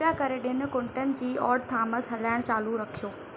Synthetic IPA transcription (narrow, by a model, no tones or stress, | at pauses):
jakɐɾeɗɪnɪ̆kʊ̃ɳʈənɪ̆d͡ʑiːʔɔːɾɖt̪ʰaːmɐsɦɐlaːɪɽ̃t͡ɕaːluɾɐkʰijoː